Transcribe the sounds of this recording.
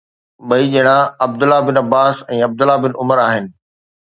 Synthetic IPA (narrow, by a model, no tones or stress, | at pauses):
ɓɐiʄɐɪɽ̃ãɐb̚d̪ʊlːabɪnɐbaːsɛ̃ːɐb̚d̪ʊlabɪnʔʊməɾaːɦɪnɪ̆